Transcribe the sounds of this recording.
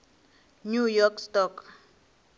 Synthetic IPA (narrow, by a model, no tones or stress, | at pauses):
nujɔkstɔk